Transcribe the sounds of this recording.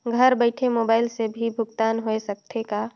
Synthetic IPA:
ɡʱəɾbəɪʈʰemoːbaːɪlsebʱibʱʊɡt̪aːnɦoesɐk̚t̪ʰeka

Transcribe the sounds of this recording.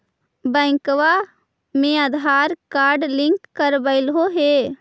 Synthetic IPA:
bɛ̃ːŋkʋa | mẽəd̪ʱaːɾkaːɾɖlɪ̃ŋkːəɾbəɪlɦoɦeː

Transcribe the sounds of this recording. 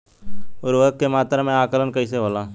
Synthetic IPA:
ʊɾʋəkkːemaːt̪ɾmẽaːkələnkəiseɦoːlãː

